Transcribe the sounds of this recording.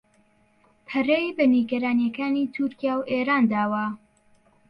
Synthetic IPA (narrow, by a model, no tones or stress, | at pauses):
pʰɐrejbɐniɡɐɾaːnjɐkaːnit̪ʰuɾkijaːwʔeːɾaːnd̪aːwɐ